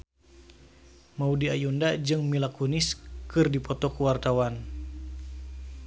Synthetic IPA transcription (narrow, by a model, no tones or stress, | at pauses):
maudiajundad͡ʒɨŋmilakunɪskɨrdipɔt̪ɔkuwart̪awan